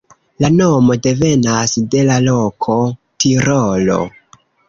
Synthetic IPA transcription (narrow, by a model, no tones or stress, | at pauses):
lano̞mo̞de̞ve̞nasde̞lalo̞kʰo̞tiɾolo̞̰